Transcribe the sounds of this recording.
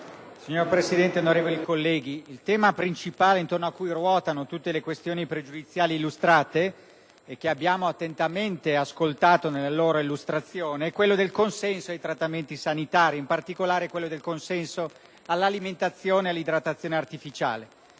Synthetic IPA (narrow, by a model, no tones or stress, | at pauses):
siɲːorpɾesid̪ɛnt̪eonoɾeːvolikolːɛːɡiːlt̪ɛːmapɾint͡ʃipaːleint̪ornoakːujrwɔːt̪anot̪ut̪ːelekwest̪joːnipɾed͡ʒud̪it̪sːjaːliːlːust̪ɾaːt̪eː | k̟ːeabːjaːmoat̪ːent̪ament̪easkolt̪aːt̪onelːaloːɾoilːust̪ɾat̪sːjoːneɛkwelːod̪elkonsɛnsoajt̪ɾat̪ːament̪isanit̪aːɾiimpart̪ikolaːɾekwelːod̪elkonsɛnso | alːaliment̪at̪sːjoːnealːid̪ɾat̪ːat̪sːjoːneart̪ifit͡ʃa̰ːle